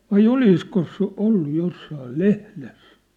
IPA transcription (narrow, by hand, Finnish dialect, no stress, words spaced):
ʋɑi oliskos se olːu josːɑːl lehles